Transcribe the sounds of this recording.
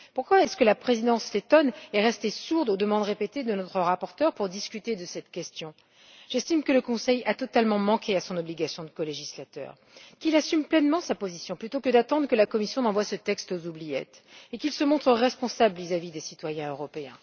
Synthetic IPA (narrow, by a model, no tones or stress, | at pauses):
puʁkwaɛskəlapχezid̪ɑ̃slet̪ɔnɛʁɛst̪esuʁd̪od̪əmɑ̃d̪ʁepet̪ed̪ənɔt̪χəʁapɔʁt̪œʁpuʁd̪iskʲyt̪ed̪əsɛt̪kʲɛst̪jɔ̃ | ʒ̥ɛst̪imkələkɔ̃sɛjat̪ɔt̪almɑ̃mɑ̃kʲʰeasɔ̃nɔbliɡʲasjɔ̃d̪əkɔleʒislat̪œ̰ːʁ | kʲilasymplɛnmɑ̃sapozisjɔ̃plyt̪okəd̪at̪ɑ̃d̪ʁəkəlakɔmisjɔ̃d̪ɑ̃vwasət̪ɛkst̪ozublijɛ̰t̪ekilsəmɔ̃t̪χəʁɛspɔ̃sablvizavid̪esit̪wajɛ̃øʁɔpeɛ̰̃